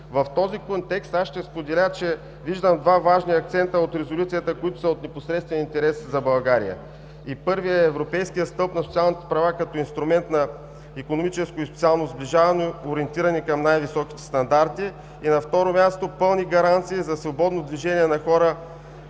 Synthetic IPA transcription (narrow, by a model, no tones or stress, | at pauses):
vɐft̪ɔzikont̪ɛkst̪aʃt̪ɛspod̪ɛlʲat͡ʃɛ | viʒd̪əmd̪vavaʒniɐkt̪sɛnt̪əot̪ɾɛzolʲut̪sijət̪əkojit̪ʊsɐot̪nɛposɾɛt̪st̪vɛnint̪ɛɾɛszɐbɐlˠɡaɾḭjə̰ | ipɤɾviɛɛːvɾopɛjskijət̪st̪ɤlˠpnɐsot̪sialˠnit̪ɛ̥pɾɐvakɐt̪ɔinst̪ɾʊmɛnt̪nɐ | ikonomit͡ʃɛskoispt̪sialˠnozbliʒavɐnooɾiɛnt̪iɾɐnikɐmnajvisɔki̥t̪ɛ̥st̪ɐnd̪aɾt̪iː | nɐft̪ɔɾomʲjast̪opɤlˠniɡɐɾant̪siːzɐsvobɔd̪nod̪viʒɛnʲiɛnɐxɔɾə